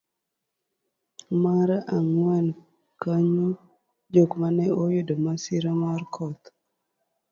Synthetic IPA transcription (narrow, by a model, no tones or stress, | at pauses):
maɾaŋwan | kaɲu | d͡ʒokmanɛojʊdomasiɾamarkʰɔt̪